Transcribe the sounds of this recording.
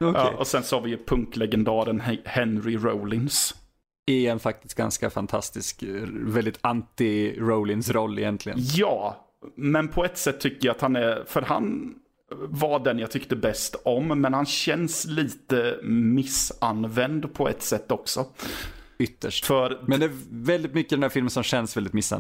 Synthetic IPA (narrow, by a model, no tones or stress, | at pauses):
ɔ̰ʔɔsɛnsɑːvɪjɵpʰɵŋklɛɡɛnd̪ɑːɾənhɛnɾɪɾowlɪns | ɪɛnfak̚t̪ɪst̪̚ɡa̰nskafant̪ʰast̪ɪskvɛld̪ɪt̪ant̪ɪɾoʊlɪnsɾɔlːɪjɛnt̪ʰlɪɡə̰njɑː | mɛnpʰɔɛt̪sɛt̪ʰːʏkːəɾjaat̪hanɛɾfœɾha̰n | vaɖɛnjaɡt̪ʰʏkt̪əbɛst̪ɔmːɛnhanɕɛnsliːt̪əmɪsanvɛnd̪pʰɔɛ̰t̪sɛt̪ːɔksɔ | ʏt̪ːə̰ʂʈfœɾmɛnd̪ɛːvɛld̪ɪt̪mʏkːəd̪ɛnd̪æɾfɪlmənsɔmɕɛnsvɛld̪ɪt̪mɪsːa̰